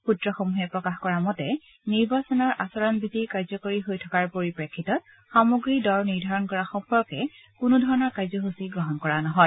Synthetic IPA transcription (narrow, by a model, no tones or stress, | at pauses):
putɹɔxomuɦɛpɹɔkaxkɔɹamɔtɛ | niɹbasɔnɔɹʔasɔɹɔnbʱitikaɹzɔkoɹiɦojtʰɔkaɹpoɹipɹekʰːitɔt̚ | xamoɡɹidɔɹniɹdʱaɹɔnkɔɹaxɔmpɔɹkɛ | kʊnudʱɔɹɔnɔɹkaɹzɔɦusiɡɹɔɦɔnkɔɹanɔɦɔj